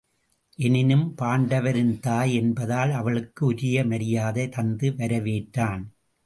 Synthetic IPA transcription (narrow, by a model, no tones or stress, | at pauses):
ʔɛnɪnɯmpaːɳɖɐʋɐɾɪnt̪aːjɛnbɐðaːlɐʋɐɭɯkːɯʊɾɪjɐmɐɽɪjaːðɐt̪ɐnd̪ɯʋɐɾɐʋeːʈːaːn